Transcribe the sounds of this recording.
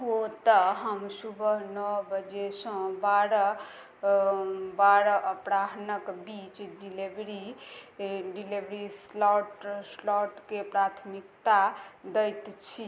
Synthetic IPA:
ot̪əɦəmsubəɦnɔbəd͡ʒesə̃baɾə | baɾəʔəpɾaɦnəkbit͡ʃɖilebɾi | ɖilebɾislɔʈslɔʈkepɾat̪ʰmikt̪ad̪əjt̪t͡ʃʰi

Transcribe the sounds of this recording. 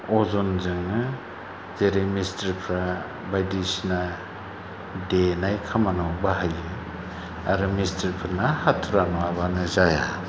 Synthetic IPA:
ɔzɔnzɯŋnɯ | zeɾemistaɾpʰɾa | bajdisna | denajkʰamanɔbaɦajɯ | aɾɯmisteɾpʰɯɾnahatʰuɾanɔabanɯzaja

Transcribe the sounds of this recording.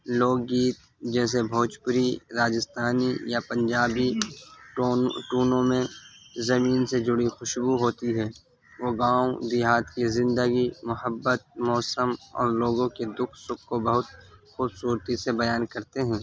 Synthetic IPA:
loːɡːiːt̪̚ | d͡ʒɛːs̬ebʱɔːt͡ʃpʊɾiɾaːd͡ʒɪst̪ʰaːnijapɐ̃ɲd͡ʒaːbi | ʈuːnõmẽzɐmiːnsed͡ʒʊɽixʊʃbuɦoːt̪iɦɛː | ʋoːɡãːud̪ɪɦaːt̪kizɪ̃nd̪əɡimʊhəbːət̪̚mɔːsəmɔ̰ːɾloːɡõked̪ʊkʰsʊkʰːobɐɦʊt̪̚xuːbsuːɾt̪isebɐjaːnkɐɾt̪eɦɛ̃ː

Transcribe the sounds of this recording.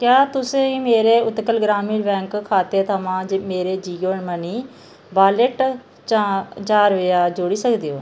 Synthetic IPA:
kjaːt̪ʊsẽːiːmeːɾeːʊt̪kəlɡɾaːmiːɖbɛ̃ːŋkkʰːaːt̪eːt̪ʰəmãːd͡ʒmeːɾeːd͡ʒiːɡoːɳməniː | baːləʈ | t͡ʃat͡ʃaːɾʋeːaːd͡ʒoːɽiːsəkd̪eːɦoː

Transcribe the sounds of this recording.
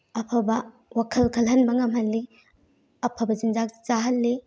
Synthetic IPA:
ɐpʰɐbɐ | wakʰɐlkʰɐlɦɐnbɐŋɐmhɐlːi | ɐpʰɐbɐd͡ʒind͡ʒak̚t͡ʃaɦɐlːi

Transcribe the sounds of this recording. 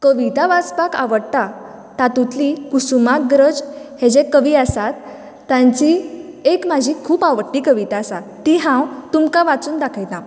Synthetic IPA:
kəʋit̪aʋat͡spakaʋəɽt̪a | t̪at̪ut̪ʰlikusumaɡɾəd͡zhẽd͡zẽkəʋiːasat̪ː | ãɲt͡ɕiekmad͡ʑʱikʰuːpaʋəɽʈːiːkəʋit̪aːsat̪iɦãwt̪umkaʋat͡suːnd̪akʰajt̪nã

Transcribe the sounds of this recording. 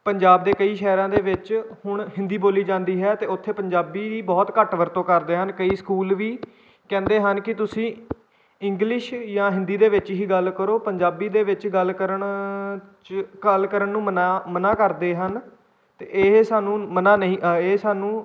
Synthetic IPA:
pəɲd͡ʒaːbd̪eːkəiːʃɛːɾãːd̪eːʋɪt͡ʃhʊɳɦɪ̃nd̪iːboːliːd͡ʒãːnd̪iːɦɛːt̪eːʊt̪ʰːeːpəɲd͡ʒaːbiːiːbɔːt̪kəʈʋəɾt̪õːkəɾd̪eːɦənkəiːskuːlʋiː | kɛ̃ːnd̪eːɦənkɪt̪ʊsĩː | ɪ̃ŋɡlɪʃjãːɦɪ̃nd̪iːd̪eːʋɪt͡ʃɦiːɡəlkəɾoːpəɲd͡ʒaːbiːd̪eːʋɪt͡ʃɡəlːkəɾəɳ | t͡ʃkəlkəɾəɳnũːmənaːmənaːkəɾd̪eːɦən | t̪eːʔeːsaːnũːmənaːnəɦĩːeːsaːnũː

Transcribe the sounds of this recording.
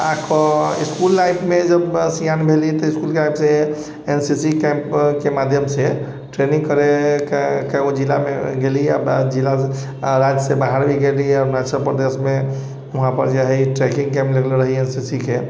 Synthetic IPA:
a̰kʰɔiskulːajpmed͡ʒəbsijanbʱelit̪ɔiskulkelajpse | ensisikɛmpkemad̪ʱjəmse | ʈɾenĩŋɡkəɾekkaod͡ʒilameɡelia̰d͡ʒila | ɾad͡ʒsebaɦaɾbʱiɡeliaɾnat͡ʃəlpɾəd̪esme | uɦãpə̰ɾd͡ʒeɦɛʈɾekĩŋkɛ̃mpleɡleɾəɦiensisike

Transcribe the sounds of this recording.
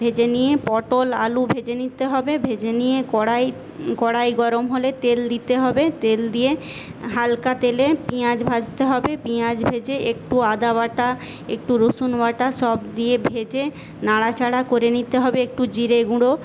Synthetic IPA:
bʱed͡ʑenijepɔʈola̰lubʱed͡ʑenit̪eɦɔbebʱed͡ʑenijekɔɽaj | kɔɽajɡɔɾomɦolet̪eld̪it̪eɦɔbet̪eld̪ieɦalkat̪elepiad͡ʑbʱad͡ʑt̪eɦɔbepiad͡ʑbʱed͡ʑeʔek̚ʈuad̪aβaʈa | ḛkʈuɾosunwaʈaʃɔbd̪ijebʱed͡ʑe | naɽat͡ɕʰaɽakoɾenit̪eɦɔbeek̚ʈud͡ʑiɾeɡuɽo

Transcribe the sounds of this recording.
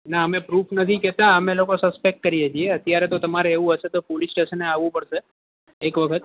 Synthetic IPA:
naəmẽpɾupʰnət̪ʰikɛt̪aəmẽlokosəspek̚ʈ̚kəɾijed͡ʒieət̪jaɾet̪ot̪əmaɾeːʋũɦəʃet̪opolisʈeʃəneaʋũpəɽʃe | ekʋəkʰət̪

